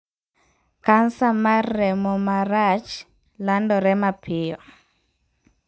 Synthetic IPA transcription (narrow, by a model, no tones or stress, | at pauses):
kansamarɾɛmɔmaɾat͡ʃ | landɔɾɛmapʰɪjɔ